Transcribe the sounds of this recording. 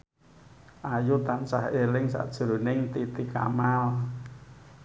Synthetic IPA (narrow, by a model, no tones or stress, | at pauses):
ʔajut̪ansahelɪŋsa̰ʔd̥ʒ̥uɾunɪŋt̪it̪ika̰mal